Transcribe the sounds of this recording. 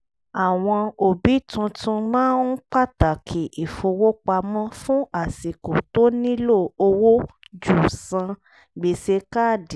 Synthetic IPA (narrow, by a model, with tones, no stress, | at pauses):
a˨w̃ɔ̃˧o˨bi˨˦tũ˧tũ˧mãː˦n̩˦k͡pa˦˨ta˨kʰe˨ʔi˨fo˧wo˦k͡pa˧mɔ̃˦fũ˦a˦˨si˨ko˨to˦nĩ˦lo˦˨o˧wo˦d͡ʒu˦˨sã˧ | ɡ͡be˨se˧ka˦˨di˨